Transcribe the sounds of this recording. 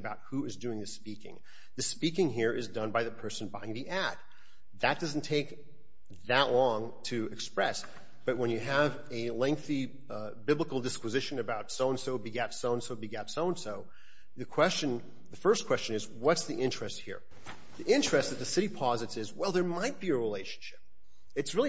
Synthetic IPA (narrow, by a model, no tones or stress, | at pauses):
baʊt̚huɨzdʉɪ̃ŋðɨspikɪ̰̃ŋ | ðɨspikɪ̃ŋɦiɹʔɨzdʌ̃nbaɪðɨpʰɜ˞sɨ̃n̩baɪɪ̃ŋðiʔæd̚ | ðɨt̚d̥ʌzn̩tʰeɪk | ðɨʔlɔ̃ŋ | tʰɨɨkspɹɛs | b̥ʌt̚wə̃njɨəv | ɨlɛ̃ŋk̚θi | bɪbləkl̩ˠdɨskwɨzɪʃɨ̃nɨbaʊtsoʊə̃nsoʊbiɡætsoʊə̃nsoʊbiɡæpsõʊə̃nsoʊ | ðɨkʰw̥ɛst͡ʃɨ̃n | ðɨfɜ˞skʰw̥ɛst͡ʃɨ̃nɨz | wʌtsðiʔɪ̃nt͡ʃɹ̥ɨst̚hḭɹ | ðiʔɪ̃nt͡ʃɹ̥ɨst̪̚ðɨt̪̚ðɨsɪɾipʰɑzɨtsɨzwɛlˠðə˞maɪt̚b̥iɨɹileɪʃn̩ʃɪ̥p̚ | ɨtsɹɪlˠi